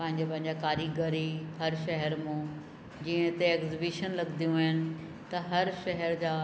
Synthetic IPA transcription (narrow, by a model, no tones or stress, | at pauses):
pɐ̃ɦɪ̃ɲd͡ʑopɐ̃ɦɪ̃ɲd͡ʑakaːɾiɡɐɾiɦɐɾʃɐɦɛɾmũ | d͡ʑiːə̃ɦɪt̪eeːkzɪbiʃənlɐɡd̪ijũɪnɪ̆ | t̪ɐɦɐɾʃɐɦɛɾd͡ʑaː